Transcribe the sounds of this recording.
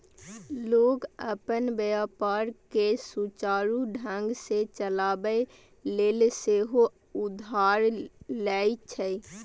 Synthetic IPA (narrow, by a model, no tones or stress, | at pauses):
loːɡəpənbəjapaːɾkesut͡ʃaːɾuɖʱə̃ŋɡset͡ʃəlabəe | leːlseɦo | ʊd̪ʱaːɾlɛit͡ʃʰə